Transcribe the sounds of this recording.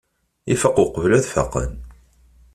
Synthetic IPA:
ifəqoqəvlæðfɑ̰qə̰n

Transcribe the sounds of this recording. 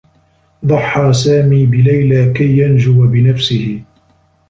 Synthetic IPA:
d̪ˤɑħːɑːsaːmiːbɪlajlaːkajːand͡ʒʊwabɪnafsɪhɪ

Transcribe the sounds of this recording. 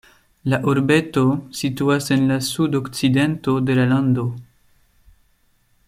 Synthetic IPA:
laʔoɾbe̞to̞situase̞nlasudokt͡side̞nto̞de̞lalando̞

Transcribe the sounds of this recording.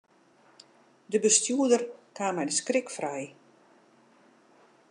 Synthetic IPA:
dəbəstjuədərkʰaːmɛjdəskrɪkfrɛj

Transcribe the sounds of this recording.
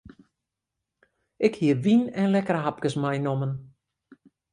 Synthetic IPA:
ʔɪkhiərʋinɛnlɛkərɦap̚kəsmɛjnomən

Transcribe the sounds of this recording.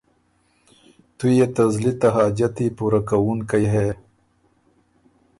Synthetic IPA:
t̪ujet̪ɐzlit̪aɦɑːd͡ʒat̪ipuɾakawunkajɦe

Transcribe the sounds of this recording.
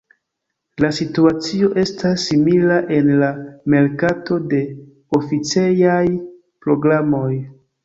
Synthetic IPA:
lasituat͡sio̞ʔe̞stasːimilaʔe̞nlame̞lkato̞de̞ | ofit͡sejaj | pɾo̞ɡɾamo̞j

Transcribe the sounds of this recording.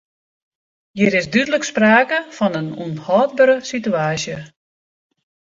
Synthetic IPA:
jiɾɪsdydələkspraːkəfɔnənṵnhɔːt̚bəɾəsityaːsjə

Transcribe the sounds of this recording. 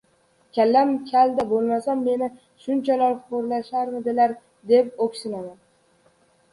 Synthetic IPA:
kʲalːamkʲʰald̪abolˠmasamːe̞nɪ | ʃʊnt͡ʃʰalaɾfʊqʊɾlaʃaɾmɪd̪ɪlaɾ | d̪e̞p̚okʲsɪnaman

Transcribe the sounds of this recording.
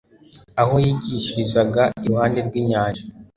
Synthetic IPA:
aho̞jiːɟiʃiizaɡaiwaːndeɾɡwiːɲaːnʒa

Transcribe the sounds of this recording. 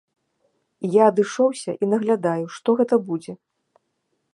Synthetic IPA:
ijaɐd̪ɨʂɔwsʲɐʔinɐɣlʲad̪ajuʂt̪ɔɣɛt̪ɐbud͡zʲɛ

